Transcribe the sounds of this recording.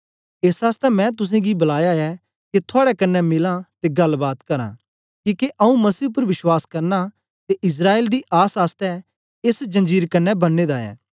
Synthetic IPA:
eːsaːst̪ɛmɛ̃ːt̪ʊs̬ẽɡibɐlaːjaɛː | ket̪ʰʊaːɽɛkɐnːɛmɪlãt̪eɡɐlbaːt̪kɐɾã̰ː | kiːkeʔɐũmɐsiːʊp̬əɾʋɪʃwaːskɐɾna | t̪eʔɪs̬ɾaːeːld̪iʔaːsaːst̪ɛ | ɪsd͡ʒɐ̃nd͡ʒiːɾkɐnːɛbɐnːeːd̪aːɛ̰ː

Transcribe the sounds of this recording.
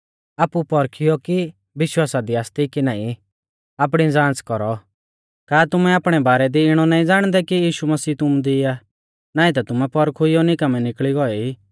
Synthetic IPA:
aːpupɔɾkʰɪjɔki | ʋɪʃwaːsad̪iaːst̪ikinaːĩ | aːp̬ɽ̃id͡zãːt͡skɔɾɔ | kaːt̪ʊmɛaːpɽ̃ɛbaːɾɛd̪iɪɽ̃ɔnaːĩd͡zaːɽ̃d̪ɛkijiːʃumɐsiːt̪ʊmd̪ɪa | naːĩt̪̬at̪ʊmɛpɔɾkʰʊɪjɔnɪkɐmɛnɪkɭiɡɔɛi

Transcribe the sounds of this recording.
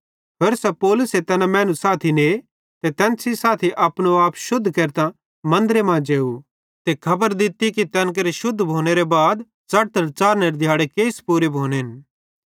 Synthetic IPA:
peːɾsɛpoːlʊset̪ɛːnãmɛ̃ːnusaːt̪ʰine | t̪et̪ɛ̃ːnsisaːt̪ʰiʔɐpnoaːpʃʊd̪ʱːkeːɾt̪ã | mɐ̃nd̪ɾemãd͡ʒeːu | t̪ekʰɐbəɾd̪ɪt̪ːikit̪ɛːnk̬ɐɾeʃʊd̪ʱːbʱoːñeɾebaːd̪ | t͡ʃɐɽ̚t̪əɾt͡ʃaːɾneɾed̪ʱjaːɽekeːspuːɾebʱoːneɦn

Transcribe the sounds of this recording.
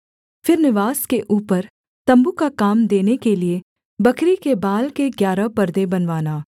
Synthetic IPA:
fɪɾnɪʋaːskeʔuːpəɾ | t̪ɐ̃mbukakaːmd̪eːnekelie | bɐkɾikebaːlkeɡjaːɾapɐɾd̪ẽbɐnʋaːnaː

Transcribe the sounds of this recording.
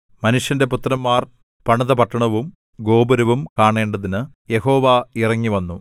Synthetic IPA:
mɐnuʂjɐnde̞put̪ːrɐmːaːr | pɐɳɐðɐpɐʈːɐɳɐʋum | ɡo̞ːbɐɾɐʋumkaːɳe̞ːɳɖɐðinɨ | je̞ho̞ːʋairɐŋːiʋɐnːu

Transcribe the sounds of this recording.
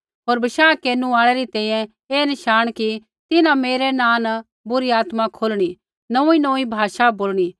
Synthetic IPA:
ɦoːɾbɐʃaːkeːnũaːɭ̃ɛɾit̪ɛ̃ːĩːjɛ̃ | eːnɪʃaːɽ̃ki | t̪ɪnãmeːɾenãːnɐ | bʊɾiaːt̪mãkʰoːlɽ̃i | nɐ̃ĩnõːĩbʱaːʃaboːlɽ̃i

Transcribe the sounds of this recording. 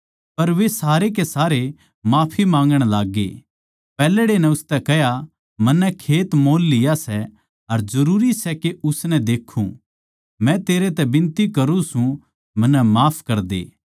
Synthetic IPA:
pɐɾʋesaːɾek̬esaːɾe | maːpʰimãːŋɡəɽ̃laːɡːḛː | pɛːlɽenɛ̃ʊst̪ɛkɛɦja | mɐnːɛ̃kʰeːt̪moːlːɪjasɛ | ɐɾd͡ʒɐɾuːɾisɛkeʊsnɛ̃d̪eːkʰṵ̃ | mɛ̃t̪eːɾet̪ɛbɪ̃nt̪ikɐɾũsũ | mɐ̃nːɛmaːpʰkɐɾd̪ḛː

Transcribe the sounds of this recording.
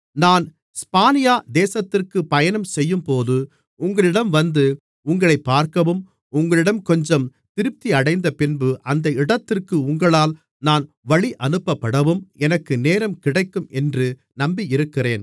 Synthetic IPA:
naːn | spaːnɪjaːd̪eːsɐt̪ːɪrkɯpɐjɐnɐmsɛjːɯmpoːðɯ | ʊŋɡɐɭɪɽɐmʋɐnd̪ɯ | ʊŋɡɐɭɐɪpːaːɾkɐʋɯm | ʊŋɡɐɭɪɽɐmkɔɲd͡ʒɐmt̪ɪɾɯp̚t̪iɐɽɐɪnd̪ɐpɪnbɯʔɐnd̪ɐɪɽɐt̪ːɪrkɯʊŋɡɐɭaːl | naːn | ʋɐɭiʔɐnɯpːɐpːɐɽɐʋɯmɛnɐkːɯneːɾɐmkɪɽɐɪkːɯmɛndrɯ | nɐmbiɪɾɯkːɪreːn

